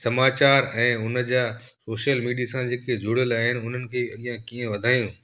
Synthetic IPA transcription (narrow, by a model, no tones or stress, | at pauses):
sɐmaːt͡ɕaːɾɛ̃ːʊnə̆d͡ʑaː | soːʃijəlmiːɖijasãd͡ʑeːked͡ʑʱʊɽəlaːɦɪnɪʊn̤ənɪ̆kʰeːɐlijãkiːə̃ʋɐd̪ʱaːjũː